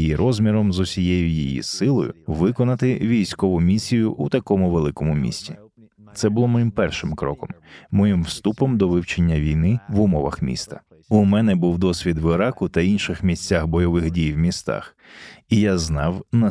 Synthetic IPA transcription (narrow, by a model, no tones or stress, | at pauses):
jiɾɔzmʲiɾɔmzʊsʲijɛjʊjijḭsɪlˠɔ̰jʊ̰ʋɪkɔnɐt̪ɪʋʲijsʲkɔʋʊmʲisʲijʊʔut̪ɐkɔmʊʋelˠɪkɔmʊmʲḭsʲtʲi | t̪sɛbʊlˠɔmɔjimpɛrʃɪmkɾɔkɔmːɔjimwst̪upɔmd̪ɔʋɪwt͡ʃenʲːɐʋʲijnɪʋʊmɔʋɐ̰xmʲḭst̪ɐ̥ | umɛnɛbuwd̪ɔsʲʋʲid̪ʋɪɾɑkʊt̪ɐinʃɪxmʲisʲt͡sʲːaxbɔjɔʋɪxdʲijwmʲist̪ɑ̰x | ijaznɑwnɐ